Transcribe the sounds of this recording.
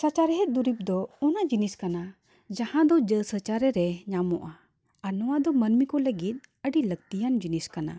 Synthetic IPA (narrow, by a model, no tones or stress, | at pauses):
sət͡ʃaɾɛɦɛt̪̚d̪uɾip̚d̪ɔɔnad͡ʒiniskana | d͡ʒahãd̪ɔd͡ʒəsət͡ʃaɾɛɾɛɲamɔ̰ʔa | anɔwad̪ɔmənmikɔləɡit̪̚ˀəɖiləɡ̚t̪ijand͡ʒiniskana̰